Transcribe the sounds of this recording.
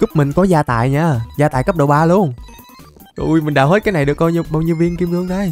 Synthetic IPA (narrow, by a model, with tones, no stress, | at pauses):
kʊ˦˥p̚mï˨˩ŋ̟kɔ˨˦zaː˧t̪a̰ː˧˨jɲaː˧˩zaː˧t̪aː˧˨kə˦˥p̚ɗo̰˧˨˩wɓaː˧lu˧ən | ṵ˧˩jmi̟˨˩ɗaː˧˩wɦe˦˥kːaː˨˦na˨˩jɗɨ˨˩ək̚ɓaː˧ɓaː˧wɲi˧vi˧ənki˧mhɨ˧əŋɗaː˨˦j